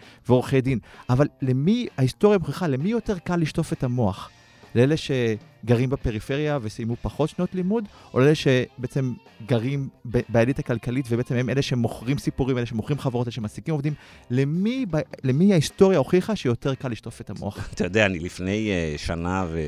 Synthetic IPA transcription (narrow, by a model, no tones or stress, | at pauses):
veoʁχejd̪inʔavallemiaist̪o̞ʁjamoχiχale̞mijo̞te̞ʁkalːiʃto̞fe̞tamo̞aχ | leeleʃe̞ɡaʁimbepeʁife̞ʁjave̞sajmupaχo̞tʃnotlimudʔoleeleʃe̞beet͡se̞mɡaʁimbbajalitakalkalitvebeet͡sememe̞leʃeemoχʁimsipuʁimeeʃemoχʁimχaveʁoteeʃemasikimovd̪imlemibalemiaisto̞ʁjaoχiχaʃeijo̞te̞ʁkaliʃto̞fetamoat̪ajod̪eaːnilifnejʃa̰nave